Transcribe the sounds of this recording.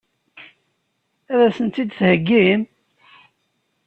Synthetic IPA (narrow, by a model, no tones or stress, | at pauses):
æðæsənt̪id̪θhəɡːim